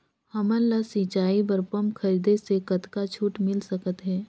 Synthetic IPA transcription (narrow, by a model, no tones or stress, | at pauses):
hɐmənlasit͡ʃaːibəɾpəmkʰɐɾiːd̪esekɐt̪kat͡ʃʰuːʈmɪlsɐkət̪ɦɛː